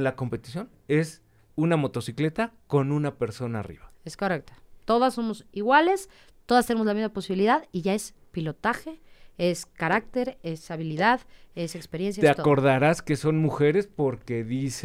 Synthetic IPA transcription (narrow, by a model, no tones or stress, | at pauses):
lako̞mpe̞t̪i̥sjo̞n | e̞s | unamo̞t̪o̞sikle̞t̪ako̞nunape̞ɾso̞na̰ːrḭβaeskorek̚t̪ḁt̪o̞ðasːo̞mo̞siɣwale̞s | t̪o̞ðast̪enemozlamizmapo̞siβiliðaðiʝae̞s | pilo̞t̪axe̞eskaɾak̚t̪e̞ɾesaβiliðaðe̞sekspe̞ɾje̞nsjat̪eatko̞ɾðaɾaske̞so̞nmuxe̞ɾe̞spo̞ɾke̞ðise